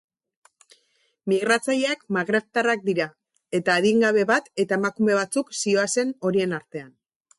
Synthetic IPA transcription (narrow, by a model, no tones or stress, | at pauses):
miɣ̞ɾat͡saʎeakmaɣɾe̞βt̪arak̚d̪iɾa | e̞t̪aːðiŋɡaβ̞e̞βat̪e̞t̪ae̞makume̞β̞at͡suksio̞ase̞no̞ɾie̞naɾt̪e̞an